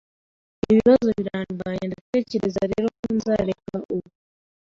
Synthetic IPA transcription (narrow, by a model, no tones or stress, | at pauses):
eβiβazoβiɾaːnbaɲandikeːceɾezaɾeːɾokuːnzaɾekaʔuβu